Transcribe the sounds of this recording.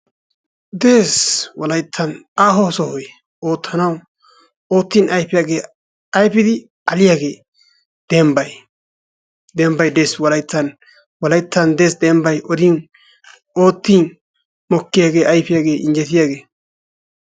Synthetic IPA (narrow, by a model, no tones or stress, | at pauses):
d̪e̞ːswɔlɐjt̪ʰːɐnaːɦɔsɔhɔj | o̞ːt̪ʰːɐnɐw | oːt̪ːiːnʔɐjpɪjaːɡe̞ː | ɐjpɪd̪ɪ | ɐlɪjaːɡe̞ː | d̪̥ɛmbɐj | d̪ɛmbɐjd̪e̞ːswɔlɐjt̪ʰːɐn | wɔlɐjt̪ʰːɐnd̪e̞ːsd̪ɛːmbɐjʔɔd̪iːn | o̞ːt̪ːiːn | mɔkːɪjaːɡe̞ːʔɐjpɪjaːɡe̞ːʔɪnd͡ʒɛt̪ɪjaːɡe̞ː